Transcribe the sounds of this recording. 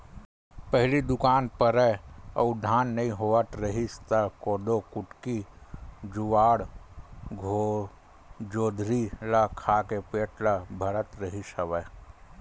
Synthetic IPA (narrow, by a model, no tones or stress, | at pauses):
pəɦlid̪ʊkaːnpəɾəɐ̰ʊd̪ʱaːnːɐɦĩɦoːət̪ɾəɦist̪əkoːd̪okʊʈki | d͡ʒʊʋaːɽ | ɡʱo | d͡ʒoːd̪ʱɾilakʰakepeːʈʰlabʱɐɾət̪ɾəɦiʃəʋə